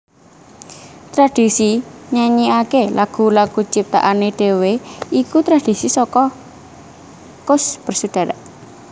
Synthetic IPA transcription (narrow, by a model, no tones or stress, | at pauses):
t̪ɾad̥i̤siɲaɲiakelʔaɡ̥ṳlaɡ̥ut͡ʃip̚t̪a̰ʔaneɖ̥e̤weikut̪ɾad̥i̤sisɔkɔ | kʊsb̥ərsud̥a̤ɾa̰ʔ